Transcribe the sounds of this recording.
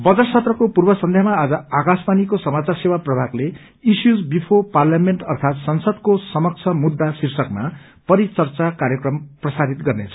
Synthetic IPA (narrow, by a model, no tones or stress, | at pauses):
bʌd͡zʌʈt͡sʰʌt̪rʌkopurbʌsʌnd̪ʱjaɦmaːd͡zʌakaspanikosʌmat͡sarsewaprʌbʱakle | isjud͡zbipʰoparljamenʈʌrt̪ʰat̪sʌnsʌd̪kosʌmʌk̚t͡sʰʌmud̪ːasirsʌkma | pʌɾit͡sʌrt͡sakaɾjʌkrʌmprʌsad̪it̪ɡʌrnet͡sʰʌ̥